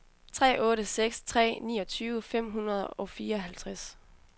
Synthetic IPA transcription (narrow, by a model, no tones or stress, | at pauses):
t͡sʰʁɛ̰ːʔɔ̽ːɾəseɡ̥st͡sʰʁɛ̰ːnḭːɒ̽t͡sʰyːʊəfem̰ɦunɐðˠɒ̽fiːɐɒ̽ɦælt͡sʰʁas